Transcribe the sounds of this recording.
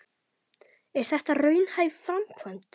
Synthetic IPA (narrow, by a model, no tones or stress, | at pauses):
ɛɾ̥θɛht̪arœːɥnhajvfɾamkʰvant̪